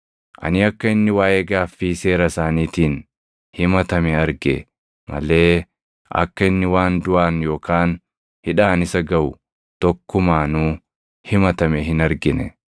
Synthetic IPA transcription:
ʔɐ̰nɪɐkːɐɪnːɪwaːʔeːɡaːfːiːse̞ːɾɐsaːniːt̪iːn | hɪmɐt̪ɐmɛɐɾɡɛ̰ | mɐ̰le̞ː | ɐ̰kːɐɪnːɪwaːnd̪ʊʔaːnjo̞ːkaːn | hɪᶑaːnɪsɐɡɐʔʊ | t̪ɔkːʊmaːnuː | hɪmɐt̪ɐmɛhɪnɐɾɡɪnɛ̰

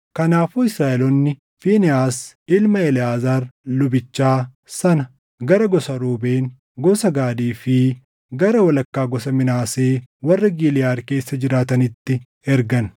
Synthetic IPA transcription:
kɐnaːfʊɪsɾaːʔɛlɔnːɪ | fiːnɛaːsɪlmɐɛlɪaːzaːɾlʊbɪt͡ʃːaː | sɐnɐ | ɡɐɾɐɡɔsɐɾuːbe̞ːŋ | ɡɔsɐɡaːd̪iːfɪ | ɡɐɾɐwɐlɐkːaːɡɔsɐmɪnaːse̞ːwɐrːɐɡɪlɪjaːɾke̞ːsːɐd͡ʒɪɾaːt̪ɐnɪt̪ːɪ | ɛɾɡɐn

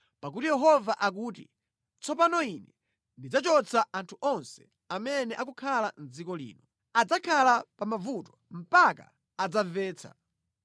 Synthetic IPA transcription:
pak̬utijɛɦɔvaʔak̬uːtḭ | t͡sɔpanɔinɛ | ndid͡zat͡ʃɔt͡sʰaʔantʰuʔɔnsɛ̥ | amɛnɛʔakukʰalan̩d͡zikɔlḭːnɔ | ad͡zakʰalapamavutɔ̥m̩paka̰ | ad͡zavɛːt͡sʰa̰

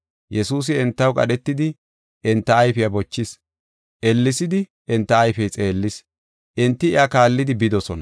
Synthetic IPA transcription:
jɛsuːs̬ɪɛnt̪ːɐwkʼɐ̰ɗɛt̪ːɪd̪ɪ | ʔɛnt̪ːɐːjfɪjɐbɔt͡ʃːɪs | ʔɛlːɪsɪd̪ɪ | ʔɛnt̪ːɐːjfɛjt͡sʼe̞ːlːɪs | ʔɪnt̪ːɪɪakaːlːɪd̪ɪbɪd̪ɔsɔnɐ

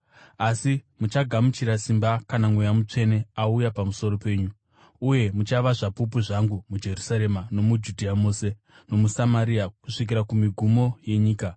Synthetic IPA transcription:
asimut͡ʃaɡʱamut͡ʃiɾasimbakanamwejamut͡ʂe̞ne̞aujapamuso̞ɾo̞pe̞ːɲu | uje̞mut͡ʃaʋaʐapupuʐaŋɡumud͡ʒe̞rusaɾe̞mano̞mud͡ʒudʱiamoːse̞ | no̞musamaɾiakuʂik̬iɾakumiɡʱumo̞je̞ɲiːka

